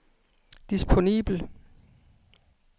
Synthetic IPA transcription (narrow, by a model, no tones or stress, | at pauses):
d̥isbʰo̝nḭːb̥l̩